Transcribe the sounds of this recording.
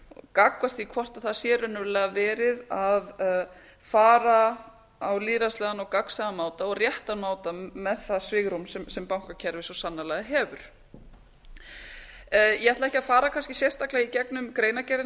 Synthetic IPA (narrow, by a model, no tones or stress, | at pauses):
ɔkakvar̥t̪vikʰvɔr̥t̪aθaðsjɛːɾʏnːʏɾlɛːɣavɛːɾɪðað | faːɾa | awliːɾaslɛːðanɔɣkaksaɣamaːwt̪aɔɣrjɛht̪amaːwt̪amɛðθaðsvɪːɣɾumsɛmsɛmpawŋ̥kacʰɛɾvɪsɔsanːalɛːɣðɪɦɛːvʏɾ̥ | jʔɛhɛt̪laɛhçcɪafaːɾakʰanscɪsjɛ̥st̪aklaɣicɛknʏmkɾeːjnacɛɾɪ